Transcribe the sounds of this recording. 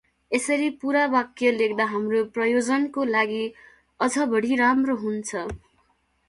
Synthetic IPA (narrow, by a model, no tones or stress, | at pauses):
esʌɾipuɾabakjʌlekʰd̪aɦamroprʌjod͡zʌnkolaɡi | ʌd͡zʌbʌɽiɾamroɦunt͡sʰʌ